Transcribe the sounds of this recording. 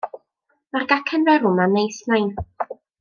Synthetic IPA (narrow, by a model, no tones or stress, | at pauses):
marɡakʰənrɛɾʊmanejsnajn